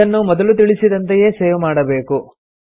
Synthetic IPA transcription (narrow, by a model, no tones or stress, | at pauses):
ɐnːumɔd̪ɐlut̪̬iɭisid̪ɐnt̪eje̞ːseːʋmaːɽɐbe̞ːku